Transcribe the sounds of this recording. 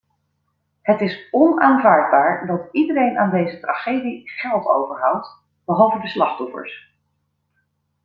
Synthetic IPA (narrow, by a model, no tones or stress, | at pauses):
ɦətɪsɔnaːnvaːɹd̚baːɹdɑtidəɾejnʔaːndejzətraχejdiχɛlˠto̰wvəɹɦʌwt | b̥əɦɑlˠvədəslɑχtɔfə̰ɹs